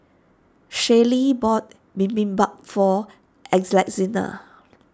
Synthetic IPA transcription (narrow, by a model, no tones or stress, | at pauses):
ʃelibɔt̚ | bĩmbĩmbak̚fɔ | ʔɛkslak̚zinə̰